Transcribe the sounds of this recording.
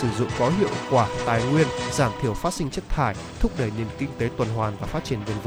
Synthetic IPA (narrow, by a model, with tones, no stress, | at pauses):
sɨ˧˩zʊ̰˧˨ŋ͡mkɔ˨˦ɦḭ˧˨əwkwaː˧˩t̪aː˨˩jŋwi˧ənzaː˧˩mt̪ʰi˧˩əwfaː˦˥t̚sï˧ŋ̟t͡ɕə˦˥t̚t̪ʰaː˧˩j | t̪ʰʊ˦˥k͡p̚ɗə˧˩jne˨˩əmkï˧ŋt̪e˨˦t̪wə˨˩nɦwaː˨˩nvaː˨˩faː˦˥t̚t͡ɕi˧˩ənvə˨˩nvə˧˦